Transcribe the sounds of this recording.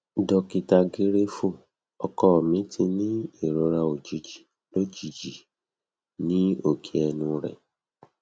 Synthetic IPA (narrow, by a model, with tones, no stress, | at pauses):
dɔ˧ki˧ta˧ɡe˦ɾe˦fu˦˨ | ɔ˧kɔ˦ɔ˨mĩ˨˦tʰĩ˧nĩ˦e˨ɾo˨˧˦ɾa˧o˨d͡ʒi˨d͡ʒi˨ | lo˦d͡ʒi˨d͡ʒi˨ | nĩ˦o˦˨kʰi˨ɛ˧nũ˧ɾɛ̰˨